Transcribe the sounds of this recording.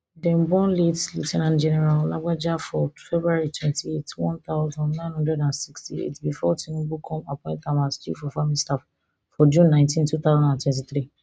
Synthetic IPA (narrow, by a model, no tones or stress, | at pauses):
dɛ̃mbɔ̃nletlṵtʰɛnãntd͡ʒɛnɛɾallaɡ͡bad͡ʒafɔfɛbɾuaɹitʰwɛ̃ntʰietwɔ̃nt̪aʊzɔ̃ndnãnhɔ̃ndɹɛdãnsikstiḛtbifɔtĩnũbukʰɔ̃mapʰɔ̃ɪ̃ntamast͡ʃḭfɔfamĩstaf | fɔd͡ʒũnːãɪ̃ntĩntut̪aʊzãndãntwɛ̃nt̬iθɾi